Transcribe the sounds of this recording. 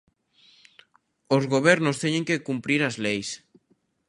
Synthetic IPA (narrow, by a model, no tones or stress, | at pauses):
ozɣoβɛɾnʊst̪ɛɲẽŋkekumpɾiɾazlejs